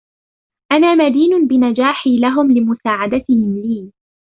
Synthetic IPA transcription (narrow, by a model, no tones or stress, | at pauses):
ʔanaːmad̪iːnʊnbɪnad͡ʒaːħiːlaɦʊmlɪmʊsaːʕad̪at̪ɪhɪmliː